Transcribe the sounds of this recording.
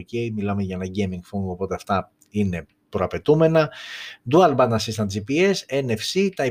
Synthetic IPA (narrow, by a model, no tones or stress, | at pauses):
cejmilɐmeʝɐenɐɟejmiŋɡfuŋɡo̞po̞t̪e̞ɐft̪ɐ | ine̞ | pɾoɐpe̞t̪ume̞nɐd̪uɐlbɐnnɐsist̪ɐnd͡ʒipie̞senefsit̪ɐi